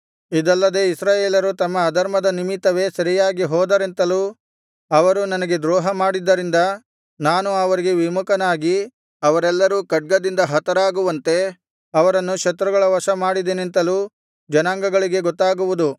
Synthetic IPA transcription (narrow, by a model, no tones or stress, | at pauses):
id̪ɐlːɐd̪e̞isɾaːjeːlɐɾut̪ɐmːɐːd̪ɐɾmɐd̪ɐnimit̪ːɐʋe̞ːsɐɾijaːɡiɦɔːd̪ɐɾent̪ɐluː | ɐʋɐɾunɐnɐɡe̞d̪ɾɔːɦɐmaːɽid̪ːɐɾind̪ɐ | naːnuɐʋɐɾiɡe̞ʋimukɐnaːɡi | ɐʋɐɾɛlːɐɾuːkɐɖ̚ɡɐd̪ind̪ɐɦɐt̪ɐɾaːɡuʋɐnt̪e̞ | ɐʋɐɾɐnːukʃɐt̪ːɾuɡɐɭɐʋɐʃɐmaːɽid̪enent̪ɐluː | d͡ʒɐnaːŋɡɐɡɐɭiɡe̞ɡɔt̪ːaːɡuʋud̪u